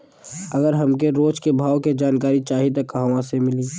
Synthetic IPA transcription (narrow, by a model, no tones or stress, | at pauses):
ɐɡəɾɦɐmkeɾoːd͡ʒkebʱaːwked͡ʒaːnkaːɾit͡ʃaːɦit̪okːɐɦãʋãsemɪliː